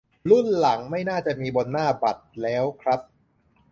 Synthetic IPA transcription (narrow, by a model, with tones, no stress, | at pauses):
lu˥˩nla˩˦ŋma˥˩jnaː˥˩t͡ɕa˨˩miː˧bo˧nːaː˥˩ba˨˩t̪̚lɛː˦˥wkʰɾa˦˥p̚